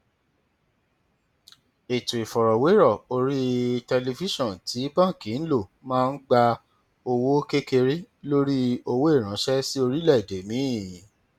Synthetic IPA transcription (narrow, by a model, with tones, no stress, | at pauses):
e˨tũ˨i˨fɔ˨ɾɔ˨we˨˦ɾɔ˦˨o˧ɾi˦tɛ˧le˧fi˦ʃɔ̃˦˨n˨ti˨˦bã˦˨kĩ˨˦n̩˦lo˦˨mãː˦˧n̩˦ɡ͡ba˧ | o˧wo˦ke˦ke˧ɾi˦ | lo˦ɾi˦o˧wo˦e˦˨ɾ̃ã˨˦ʃɛ˦si˦o˧ɾi˦lɛ˦˨i˨de˨˦mĩ˨˦˨